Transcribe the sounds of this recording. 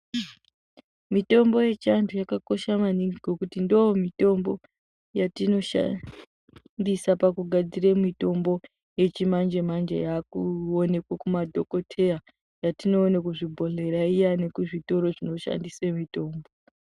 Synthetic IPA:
mito̞mbo̞je̞t͡ʃantʰujakako̞ʃamaniŋɡiɡʱo̞kutindojomito̞mbo̞ | jatino̞ʃa̰ | ndisapakuɡʱad͡ziremito̞mbo̞ | je̞t͡ʃimand͡ʒemand͡ʒḛjakuone̞kwakumadʱo̞ko̞tʰe̞ja | jatino̞ːnekuʐibʱo̞ɮe̞ɾaijane̞kuʐito̞ɾo̞ʐino̞ʃa̰ndisemito̞ːmbo

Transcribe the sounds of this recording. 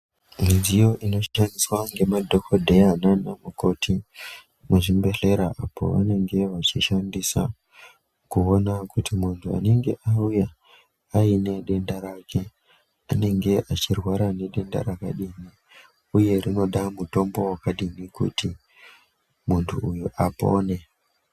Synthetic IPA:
minzijo̞ʔino̞andiswaŋɡe̞madʱo̞ko̞dʱe̞ananamuko̞ti | muʐimbe̞ɬe̞ɾaʔapo̞̰ʋa̰ne̞ŋɡe̞ʋat͡ʃiʃandisa̰ | kuonakutimuntʰua̰ne̞ŋɡe̞ʔauja | aine̞ɗe̞ndaɾakʰe̞ | ane̞ŋɡe̞ʔat͡ʃirwaɾane̞ɗe̞nda̰ɾaka̰ɗini | uje̞rino̞ɗamuto̞mbo̞wakaɗinikṵti | muntʰṵːjuʔapo̞ne̞

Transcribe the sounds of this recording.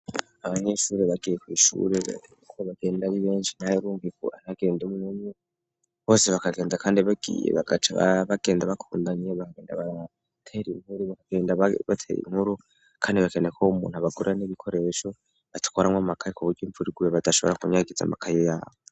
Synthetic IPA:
aβaɲeʃuːɾeβaɡijekwiːʃṵːɾḛ | koβaɡe̞ːndaβiβeːnʃinajeɾuːŋɡikṵanaɡe̞ːndemunuɲu | βo̞ːseβakaɡe̞ːnzakaːndiβaɡ̥ḭːjḛβa̰ɡat͡ʃaβa̰βaɡ̥e̞ːndaβakʰuːndaɲeβakaɡe̞ːndaβa | tʰaiɾinhuɾuβakaɡe̞ːndaβatʰa̰jḭnhuɾu | kʰaːndiβakenekʰoumṵːn̥uaβaɡoɾeaneβikʰo̞ɾe̞ʃo̞ | βatu̥kʰoɾamŋwamakʰajekuβuɾɟiːɱvuɾiɡujeβadaʃo̞βɾakuɲaɡiza̰makʰajojaːβo

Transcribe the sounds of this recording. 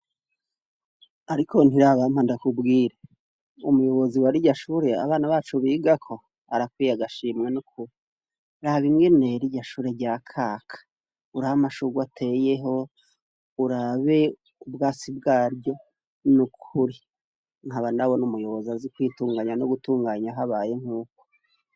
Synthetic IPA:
aɾikʰo̞n̥iɾaːβamandakubɡiːɾa | umujo̞βo̞ziwaɾiɟaʃuɾe̞a̰βaːnaβaːt͡ʃoβiːɡakʰo̞ | aɾakwiːjaɡaʃiːmŋenukʰuɾi | ɾaβimɡene̞ɾiɟaʃuːɾe̞ɟakʰaːkʰḁ | uɾaβamaʃuɡwatʰe̞je̞ɦo̞ | uɾaβe̞ | ubɡaːt͡sibɡaːɾɟo̞ | nukʰuɾi | ŋ̥haβanaβo̞numujo̞βozazikwiːtuːŋɡaɲanoɡutuːŋɡaːɲaɦaβaje̞ŋ̥huːk̚o̥

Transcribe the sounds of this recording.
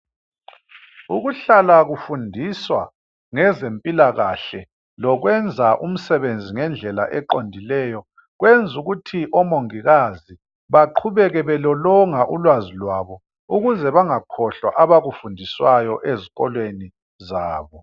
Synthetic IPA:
uɣuɬalaɣufundʱiswa | ŋɛzempʼilaɣaɬɛ | lɔɣwɛnd͡zʱaʔum̩sɛβend͡zʱiŋɛnd͡ɮʱɛla̰ʔɛǃondʱilɛjɔ | ɣwend͡zʱuɣutʰiʔɔmoŋiɣazi | βaǃʰuβɛɣɛβɛlɔlɔŋaʔulwazilwaβɔ | uɣuzɛβaŋakʰɔɬwa̰ʔaβaɣufundʱiswajɔʔeziɣɔlweni | zaːβɔ

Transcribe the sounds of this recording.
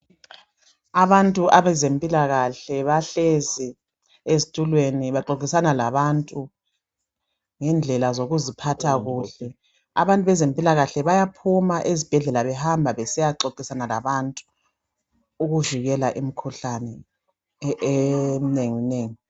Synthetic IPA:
aβantʼuʔaβɛzempʼilaɣaɬɛβaɬezi | ezitʼulweniβaǃok̬ʼisanalaβantʼu | ŋɛnd͡ɮʱɛlazoɣuzipʰatʰaɣuːɬɛ | a̰βantʼuβɛzempʼilaɣaɬɛβajapʰumaʔezib̥ʱɛɮɛlaβɛhambʱaβɛsɛjaǃoǃʼisanalaβantʼu̥ | uɣuʒiɣɛlaʔimikʰuɬanɛ | emineŋineːŋi

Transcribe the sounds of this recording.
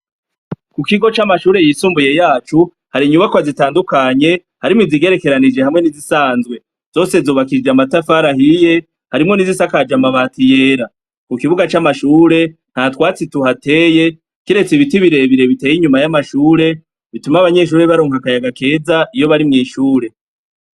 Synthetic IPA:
kukiɡo̞t͡ʃamaʃuːɾe̞jiːsuːmbuje̞jaːt͡ʃu | haɾiɲuβakoazitaːndukaɲe̞ | haɾimŋiziɡe̞ɾe̞ke̞ɾanid͡ʒe̞hamŋe̞nizisaːnzɡwe̞ | z̥o̞ːse̞zoβakid͡ʒamatafaɾahije̞ | haɾimŋo̞nizisakad͡ʒamaβaːtije̞ːɾa | kukiβuɡat͡ʃamaʃuːɾe̞ | n̥hatwaːt͡situhate̞ːje̞ | kiɾe̞t͡siβitiβiɾe̞βiɾe̞βite̞jiɲumajamaʃuːɾe̞ | βitumaβaɲe̞ʃ̬uːɾe̞βaɾoːŋhakajaɡake̞ːzaʔijo̞βaɾimŋiːʃuːɾe̞

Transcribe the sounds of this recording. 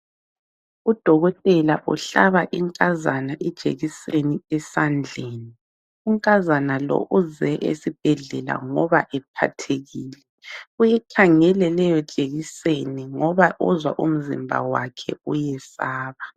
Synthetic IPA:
ud̥ʱɔɣɔtʼɛlaʔuɬaβaʔiŋkʼazanaʔɛd̥ʒ̥ʱʼḛɣiseniɛsand͡ɮʱeːni | uŋkʼazanalɔ̰ʔuzɛʔḛsib̥ʱɛɮɛla̰ŋɔβaʔɛpʰa̰tʰeɣiːlɛ | ujɛkʰaŋɛlɛlɛjɔt͡ʃʼeɣiseniŋɔβaʔuzwa̰ʔum̩zḭmbʱa̰wa̰kʰɛ̰ujɛsaːβa

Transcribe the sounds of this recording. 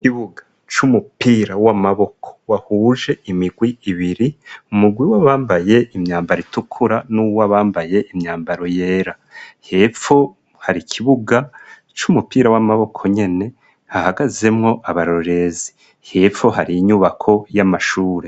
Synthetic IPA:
kiβuɡḁ | t͡ʃumupiːɾawamaβo̞kʰo̥wahuːʒe̞imiɡwiiβiɾiumuɡwiwaβaːmbaje̞ʔimɲaːmbaɾitukʰuɾanuwaβaːmbaje̞ʔimɲaːmbaɾo̞je̞ːɾa | he̞fo | haɾikʰiβuɡa | t͡ʃumupiːɾawamaβo̞kʰo̞ɲe̞ne̞ | hahaɡaze̞mŋo̞ʔaβaɾo̞ɾe̞zi̥ | he̞foɦaɾiːɲuβakʰo̞jamaʃuːɾe̞

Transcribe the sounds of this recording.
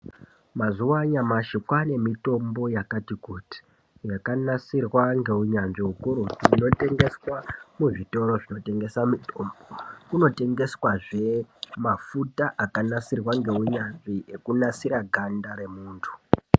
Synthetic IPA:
mazuwaɲamaʃikwane̞mito̞mbo̞jakatikuti̥ | jakanasirwaŋɡe̞uɲanʐiɦukuɾutino̞te̞ŋɡe̞swamuʐito̞ɾo̞ʐino̞te̞ŋɡe̞samitombokuno̞te̞ŋɡe̞swaʐe̞mafutaʔakanasirwaŋɡe̞uɲanʐiekunasiɾaɡʱandaɾe̞muːntʰu̥

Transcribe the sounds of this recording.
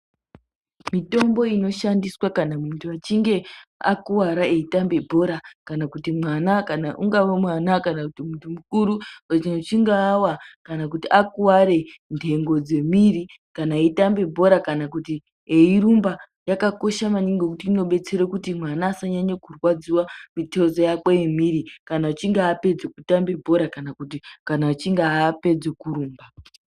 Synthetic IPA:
mito̞mbo̞ino̞ʃandiswakanamuntʰuat͡ʃiŋɡe̞a̰kuwaɾaeitambe̞bʱo̞ɾakanakutimwanakanaʔuŋɡaʋomwanakanakutimuntʰumukuɾuwat͡ʃinot͡ʃiŋɡaːwakanakutiʔakuwaɾe̞ndʰʱe̞ŋɡo̞d͡ze̞miri | kanaitambe̞bʱo̞ɾakanak̬uti | eiɾumba | jakako̞ʃamaɲiŋɡok̬utiːno̞ɓe̞t͡se̞ɾokutimwanaːsaɲaɲokurwad͡ziwamitezojakwojemiɾikanaut͡ʃiŋɡaːpe̞d͡zekutambe̞bʱo̞ɾakanakutikanaut͡ʃiŋɡaːpe̞d͡zekuɾuːmba

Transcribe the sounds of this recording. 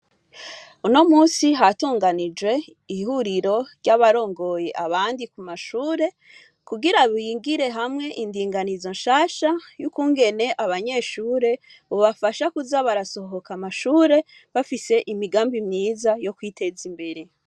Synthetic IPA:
uno̞muːsiɦatuːŋɡanid͡ʒwe̞ | ihuɾiɾo̞ɾɟaβaɾo̞ːŋɡo̞je̞ʔaβaːndikumaʃuːɾe̞ | kuɡiɾaβiiːŋɡiɾe̞ɦamŋe̞ʔindiːŋɡanizo̞nʃaːʃajukuːŋɡe̞ne̞ʔaβaɲe̞ːʃuːɾe̞ | βoβafaʃakuzaβaɾaso̞ɦo̞kamaʃuːɾe̞ | βafise̞ʔimiɡaːmbimɲiːzajo̞kwiːte̞zimbeɾi

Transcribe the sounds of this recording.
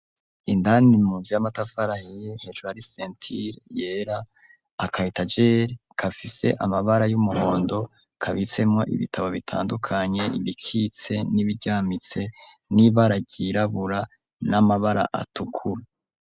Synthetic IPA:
indanimuːnzujamatafaɾahejehed͡ʒuhaɾiseːntʰiɾje̞ɾaː | kʰahitad͡ʒeɾkʰafise̞̰ʔamaβaɾajumuho̞ːndo̞ | kʰaβit͡se̞mŋo̞ʔḭβitʰaβo̞βitʰa̰ːndukʰaɲe̞ʔḭβikʰit͡se̞niβiɟaːmit͡se̞niβaɾaɟiɾaβuɾa | namaβaɾa̰ʔa̰tʰukʰuɾa

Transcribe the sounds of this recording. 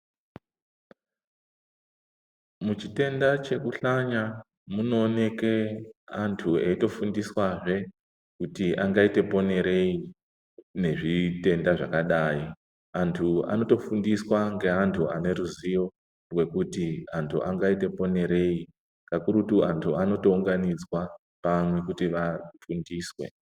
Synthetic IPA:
mut͡ʃite̞ndat͡ʃe̞kuɬaɲa | muno̞ːne̞keantʰueito̞fundiswaʐe̞ | kutiʔaŋɡaite̞po̞ne̞ɾe̞i | ne̞ʐite̞ndaʐakaɗai | antʰua̰no̞to̞fundiswaŋɡe̞antʰuʔane̞ɾuzijo̞ | rwe̞kutiantʰṵʔaŋɡaite̞po̞ne̞ɾe̞i | kakuɾutuantʰuano̞to̞uŋɡanid͡zwa | pamwe̞kutiʋafundiːswe̞̰

